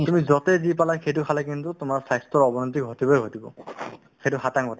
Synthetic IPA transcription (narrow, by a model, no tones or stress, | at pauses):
tumizɔtɛzipalaxejtʊkʰalakintutʊmaɹsajstɔɹɔbɔnɔtik̚ɡʱotibɔjɡʱotibɔ̰ | xejtʊxataŋɡʱɔta